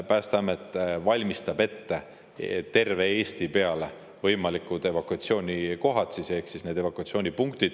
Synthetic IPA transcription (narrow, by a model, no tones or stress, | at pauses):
pæːst̪ɑmet̪ːvɑlʲmist̪ɑbe̞t̪ːe̞ | t̪e̞rve̞eːst̪ipeɑle | vɤjmɑlikːˑud̪̥e̞vɑkuɑt̪sio̞ːnʲiko̞ɦɑt̪sise̞hksisne̞ːd̪e̞vɑkuɑt̪sio̞ːnʲipuŋkt̪id̪̥